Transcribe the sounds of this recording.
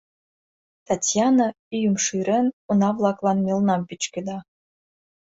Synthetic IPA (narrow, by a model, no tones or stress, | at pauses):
t̪ɑtʲjɑnɑ | yjumʃɯɾɘ̆nunɑvlˠɑklˠɑnmʲelˠnɑmpʲit͡ɕkɘ̆d̪ɑ